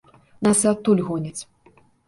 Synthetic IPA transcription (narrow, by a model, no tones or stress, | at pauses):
nasɛat̪ːulʲɣɔnʲɛt͡sʲ